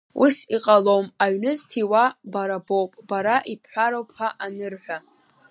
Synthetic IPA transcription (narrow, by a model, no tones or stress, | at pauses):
ṵsiqʼalomaɥnɨztʰiwabaɾabowpʼbaɾaʔipʰħʷaɾowpʰaʔanɨrħʷᶣa